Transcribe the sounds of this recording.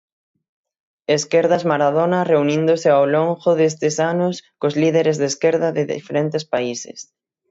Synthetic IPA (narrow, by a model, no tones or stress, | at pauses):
eskeɾðazmaɾaðonɐreunĩnd̪ʊsɪawloŋʝoðes̬t̪ɪsanʊskozliðeɾezðeskeɾðɐðɪðḭfeɾent̪espaisɪ̰s